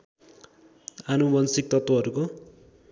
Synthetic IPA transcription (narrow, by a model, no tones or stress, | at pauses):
anubʌnsik̚t̪ʌt̪wʌɦʌɾuko